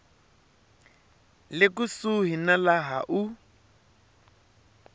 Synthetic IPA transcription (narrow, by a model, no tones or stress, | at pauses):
lɪkusuɦinalaɦa̰ʔu